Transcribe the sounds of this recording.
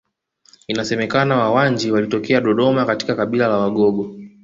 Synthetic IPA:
inasɛmɛkanawawand͡ʒiwalitɔkɛaɗɔɗɔmakati̥kakaɓilalawaɠɔɡɔ

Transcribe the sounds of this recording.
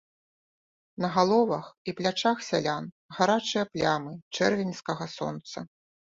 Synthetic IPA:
nɐɣalˠɔvɐxiplʲat͡ʂaxsʲalʲan | ɣaɾat͡ʂɨjɐplʲamɨt͡ʂɛrvʲinʲskɐɣɐsɔ̰nt̪sɐ

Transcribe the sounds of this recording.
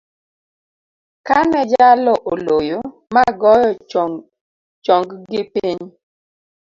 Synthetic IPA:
kanɛd͡ʒalɔʔolojo | maɡɔjɔ | t͡ʃɔŋɡɡɪpiɲ

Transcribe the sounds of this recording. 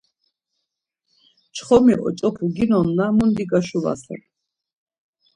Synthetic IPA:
t͡ʃʰχɔmiʔɔ̰t͡ʃʼɔpʰuɡinɔnːamund̪iɡaʃuva̰sɛ̰t̪

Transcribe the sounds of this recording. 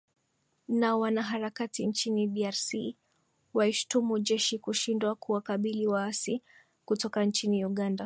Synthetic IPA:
nawanaɦaɾakatint͡ʃinidiaɾsi | waiʃu̥tumud͡ʒɛʃikuʃindwakuwakaɓiliwaasi | kutɔkant͡ʃiniuɠanda

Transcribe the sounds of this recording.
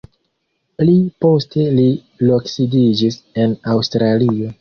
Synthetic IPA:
plipo̞ste̞li | loksidid͡ʒise̞nawstɾalio̞

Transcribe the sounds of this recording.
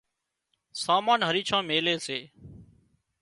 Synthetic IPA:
saːmaːnɦəɾiːt͡ʃʰãːmeːleːseː

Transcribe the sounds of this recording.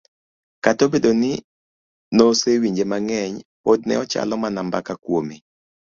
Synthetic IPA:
katobedonɪ | nosewiɲd͡ʒemaŋɛɲpod̚nɛ̰ɔt͡ʃa̰lɔmanambakakwomi

